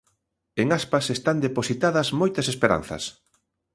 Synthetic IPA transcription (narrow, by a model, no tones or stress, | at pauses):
eŋaspɐsest̪and̪eposit̪aðɐzmojt̪ɐsespeɾa̰n̟θɐ̰s